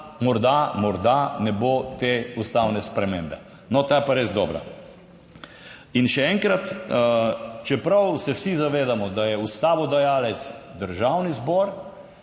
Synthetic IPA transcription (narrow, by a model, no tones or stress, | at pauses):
mɔɾd̪amɔɾd̪anɛbot̪eust̪awnɛspɾɛmembɛ | nɔt̪aːjɛpaɾezd̪ɔːbɾa̰ | inʃɛɛŋkɾat̪ | t͡ʃɛpɾawsɛwsizaʋeːd̪amɔd̪ajɛust̪aːʋɔd̪ajaːlɛt̪sd̪əɾʒawnizbɔːɾ